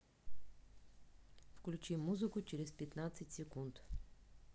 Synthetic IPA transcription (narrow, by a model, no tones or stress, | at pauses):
fklʲut͡ʃimːuzəkot͡ʃɾɛspɛt̪nat̪sɛt̪ʲsɛkunt̪